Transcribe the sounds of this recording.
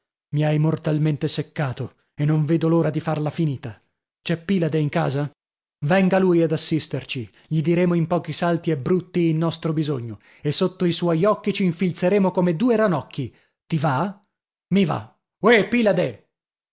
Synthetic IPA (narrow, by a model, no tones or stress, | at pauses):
miajmort̪alment̪esekːaːt̪o | enːoɱveːd̪oloːɾad̪ifarlafiniːt̪a | t͡ʃɛpːiːlad̪eiŋka̰ːza | vɛŋɡaluːjad̪asːist̪ert͡ʃi | ʎid̪iɾeːmoimpɔːk̟isalt̪iɛbːɾut̪ːiːlːɔst̪ɾobizoɲːo | esːot̪ːoiswɔjɔkːit͡ʃiːɱfilt̪seɾeːmokomed̪uːeɾanɔkʰːi | t̪iva | miva̰ | wepiːlad̪e